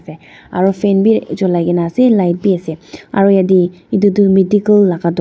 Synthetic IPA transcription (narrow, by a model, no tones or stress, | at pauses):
sɛ | aɹupʰɛnbizɔlajkɛnasɛlajt̚biasɛa̰ɹujadiidudumidikəlːaɡadɔ